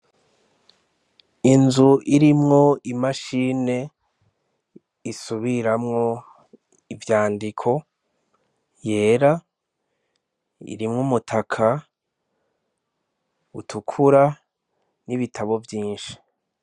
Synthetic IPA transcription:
inzuʔiɾimŋo̞imaʃiːne̞ | isuβiɾamŋo̞ | ivjaːndikʰo̞ | je̞ːɾa | ḭɾimŋumutʰakʰa | utʰukʰuɾa | niβitʰaβo̞vjiːnʃi̥

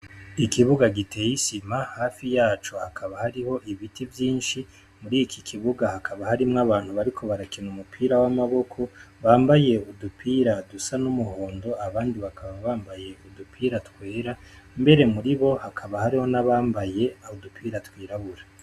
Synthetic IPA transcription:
ikiβuɡaɡitʰejisimahaːfijaːt͡ʃohakʰaβahaɾiho̞ʔiβitivjiːnʃi | muɾijikʰikʰiβuɡahakʰaβahaɾimŋaβaːn̥huβaɾikʰo̞βaɾakinumupʰiːɾawamaβo̞kʰo̞βaːmbaje̞udupʰiːɾadusanumuho̞ːndo̞aβaːndiβakʰaβaβaːmbaje̞udupʰiːɾatwe̞ːɾa | mbe̞ɾe̞muɾiβo̞hakʰaβahaɾiho̞naβaːmbaje̞aodupʰiːɾatwiːɾaβuɾa

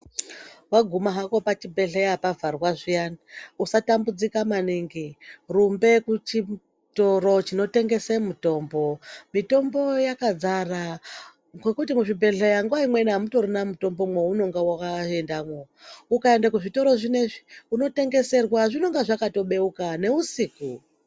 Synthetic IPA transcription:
waɡʱumaɦako̞pat͡ʃibʱe̞ɮejapavʱarwaʐijaniusatambud͡zikamaneŋɡerumbe̞kut͡ʃi | toro̞t͡ʃino̞te̞ŋɡe̞semuto̞ːmbo̞mito̞mbo̞jakad͡zara | kwekutimuʐibʱe̞ɮejaŋɡuwaimwe̞namuto̞ɾonamuto̞mbomweuno̞ŋɡawakaendamwo | ukaendakuʐito̞ɾo̞ʐine̞ʐi̥uno̞te̞ŋɡe̞se̞rwaʐino̞ŋɡaʐakato̞ɓe̞ukane̞usiku

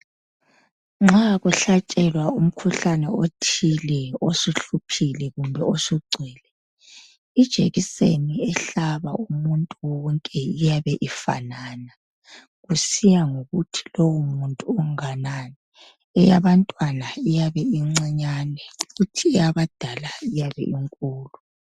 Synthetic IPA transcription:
ŋ͡ǁaɣuɬat͡ʃʼɛlwaum̩kʰuɬanɛotʰilɛosuɬupʰilɛɣumbʱɛosuɡ͡ǀʱiːlɛ | id̥ʒ̥ʱeɣiseniɛɬaβa̰umuntʼuwɔŋkʼɛijaβɛʔifa̰naːna | ɣusijaŋoɣutʰi̥lowumuntʼuɔŋananɛː | jaβantʼwanaijaβɛiŋ͡ǀɛɲanɛuɣutʰiɛjaβad̥ʱalaijaβɛ̰ʔiŋkʼuːlu

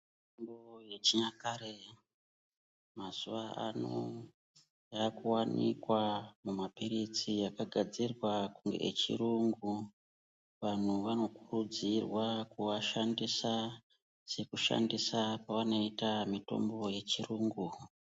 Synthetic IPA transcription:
itombojet͡ʃiɲakaɾe | maz̥uʋaʔa̰no | jakuwanḭkwamumapiɾit͡sijakaɡʱad͡zirwakuŋɡe̞̰ʔḛt͡ʃḭɾuŋɡu | ʋan̤uʋano̞kurud͡zirwakuʋaʃandisa | se̞kuʃa̰ndisapaʋano̞itamito̞̰mbo̞je̞t͡ʃiruːŋɡu

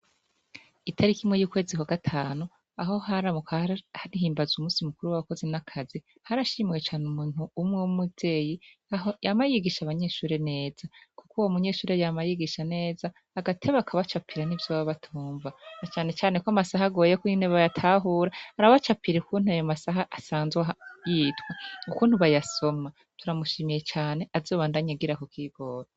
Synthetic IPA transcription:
itʰaɾikimŋe̞juːkwe̞ːzikwaɡatʰaːnu | aɦo̞ɦaɾamukhanihiːmbazumuːsimukuɾuwaβako̞zinakʰazi | haɾaʃiːmwet͡ʃaːnumuːn̥uːmŋewumuvde̞ːjijamajiɡiʃaβaɲe̞ːʃuːɾe̞ne̞ːz̥akukuwomuɲe̞ːʃuːɾejamajiɡiʃane̞ːzaːɡatʰe̞βakʰaβat͡ʃapʰiɾanivjoːβaβatʰuːɱvanat͡ʃaːne̞t͡ʃaːne̞koamasaɦaɡo̞ːjekuineβajatʰaːɦuːɾahaɾaβat͡ʃapiɾeukʰuːnhuajomasaɦaʔasaːnzwejiːtweukuːn̥huβajaso̞ma | tuɾamuʃiːmije̞t͡ʃaːne̞ʔazo̞ːβaːndaɲaɡiɾakokiːɡo̞ːɾa

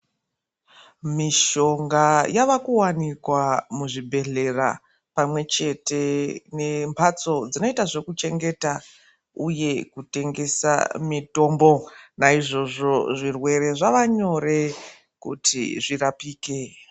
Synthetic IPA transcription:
miʃo̞ŋɡajaʋakuwanikwamuʐibʱe̞ɮe̞ra̰ | pamwe̞t͡ʃe̞te̞ne̞mpʰat͡so̞d͡zino̞itaʐe̞kut͡ʃe̞ŋɡe̞ta | uje̞kute̞ŋɡe̞sa̰mito̞ːmbo̞naiʐo̞ʐo̞ʐirwe̞ɾe̞ʐaʋaɲo̞re̞ | kutḭʐirapiːke̞

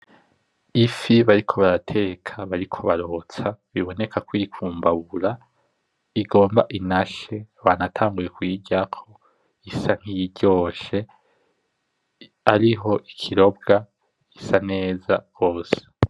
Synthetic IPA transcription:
ifiβaɾikʰo̞βaɾatʰe̞kʰaβaɾikʰo̞βaɾo̞ːt͡saβiβo̞ne̞kʰakwiikʰuːmbaβuɾa | iɡo̞ːmbaʔinaʃe̞βaːnatʰaːŋɡuje̞kwiːɟakʰo̞ | isaŋ̥hijiɟo̞ːʃe̞ | aɾiɦo̞ʔikʰiɾo̞b̚ɡa | isane̞ːzaβo̞ːse̥

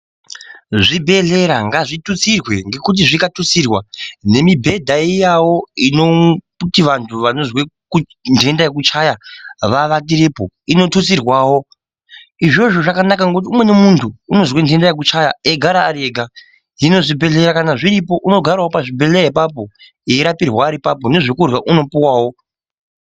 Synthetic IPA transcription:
ʐibʱe̞ɮe̞ɾaŋɡaʐitut͡sirwe̞ŋɡe̞kut̬iʐikatut͡sirwane̞mibʱe̞dʱaijawo̞ino | utiʋantʰuʋano̞zweku | ndʱe̞ndajek̬ut͡ʃajaʋaʋat̬iɾepo | ino̞tut͡sirwaːwo̞ | iʐo̞ʐo̞ʐakanakaŋɡekut̬iumwe̞nemuntʰuːno̞zwendʱe̞ndajek̬ut͡ʃajaeɡʱaɾaːɾeɡʱa | jino̞ʐibʱe̞ɮe̞ɾakanaʐiɾipo̞ʔuno̞ɡʱarwawopaʐibʱe̞ɮeɾaipap̬o̞ | eiɾapirwaːɾipapo̞ne̞ʐekurwaʔuno̞puwaːwo̞

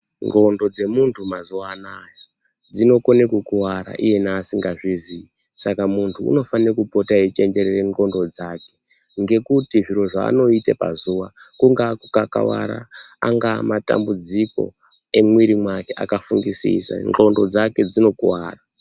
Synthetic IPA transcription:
ŋɡo̞ndo̞d͡ze̞muntʰumazuwaːnajo | d͡zino̞konekwukuwaɾa̰ʔije̞naːsiŋɡaʐizii | sakamuntʰuṵno̞fanrakupo̞tait͡ʃe̞ɲd͡ʒe̞ɾereŋɡo̞ndo̞d͡zaːke̞ | ŋɡe̞kutiʐiɾo̞ʐa̰ːno̞itapa̰zuʋakuŋɡakukaka̰wa̰ɾa̰aŋɡaːmata̰mbud͡ziko̞̰ | e̞mwiɾimwake̞ʔa̰kafuŋɡisḭsa̰ŋɡo̞ndo̞d͡zake̞d͡zino̞kuwa̰ːra

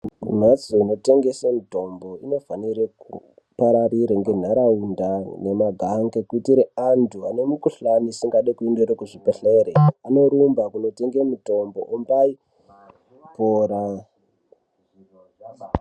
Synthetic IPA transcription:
um̤at͡soino̞te̞ŋɡe̞semuto̞mbo̞ino̞faniɾeku | paɾariɾeŋɡe̞n̤aɾaundane̞maɡʱaŋɡekuitiɾeantʰuane̞mukuɬanisiŋɡaɗekuendeɾekuʐipeɬe̞ɾeanoɾumbakuno̞te̞ŋɡemuto̞mbo̞ʔumbai | poːɾa

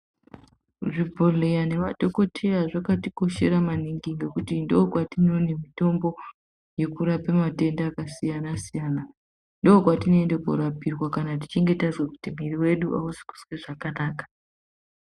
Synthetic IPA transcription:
ʐibʱolejane̞ʋaɗo̞ko̞tʰejaʐakatiko̞ʃe̞̰ɾamaniŋɡiŋɡe̞kutindoːkwatino̞nemito̞mbo̞ | je̞kuɾapemate̞ndaːkasijanasijaːna | ndoːkwatinoendekṵɾapirwakanati̥t͡ʃeŋɡe̞tazwaku̥timiriwe̞ɗuʔa̰usi̥ku̥sweʐakanaːkḁ

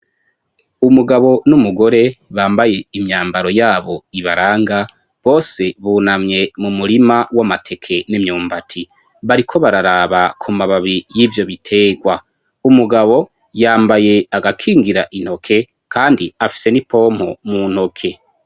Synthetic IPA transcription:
umuɡaβo̞numuɡo̞ɾe̞βaːmbaje̞imɲaːmbaɾo̞jaːβo̞iβaɾaːŋɡa | βo̞ːse̞βunamɲe̞mumuɾimawamatʰe̞kʰe̞nemɲuːmbatʰi | βaɾikʰo̞βaɾaɾaːβakʰumaβaβijiːvjo̞βitʰe̞ːɡwa | umuɡaβo̞ | jaːmbaje̞aɡakʰiːŋɡiɾaʔin̥ho̞kʰe̞ | kʰaːndiafi̥se̞nipo̞ːm̥ho̞̰muːn̥ho̞kʰe̞

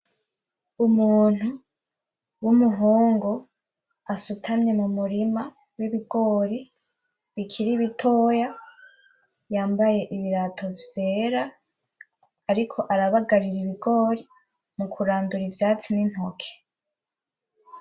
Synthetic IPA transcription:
umuːn̥hu | wumuɦoːŋɡo̞ | asutʰamɲe̞mumuɾima | wiβiɡo̞ːɾi | βikʰiɾiβitʰo̞ːja | jaːmbaje̞ʔiβiɾatʰo̞vje̞ːɾa | ɾikʰo̞ʔaɾaβaɡaɾiɾiβiɡo̞ːɾi | mukʰuɾaːnduɾivjaːt͡sinin̥hokʰe̥

